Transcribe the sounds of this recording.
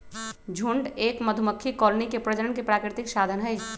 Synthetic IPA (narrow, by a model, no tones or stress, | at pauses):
d͡ʒʱuɳɖeːkməd̪ʱuməkʰːikɔːlnikepɾəd͡ʒəɾənkepɾaːkɾɪt̪ɪksaːd̪ʱənɦɛj